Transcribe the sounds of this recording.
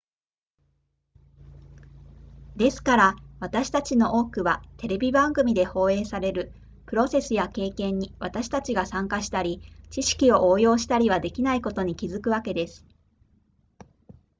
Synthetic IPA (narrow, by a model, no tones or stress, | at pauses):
d̪e̞sɨ̥kaɾaβat̪aɕi̥t̪at͡ɕino̞ʔoːkɯ̟βat̪e̞ɾe̞bʲibãŋɡɯ̟mʲid̪e̞ho̞ːe̞ːsaɾe̞ɾɯ̟ | pɯ̟ɾo̞se̞sɨjake̞ːkẽ̞ɲ̟ːiβat̪aɕi̥t̪at͡ɕiɡasãŋkaɕi̥t̪aɾʲit͡ɕiɕi̥kʲio̞ʔoːjo̞ːɕi̥t̪aɾʲiβad̪e̞kʲinaiko̞t̪o̞ɲ̟ikʲizɨkɯ̟βake̞d̪e̞sɨ̥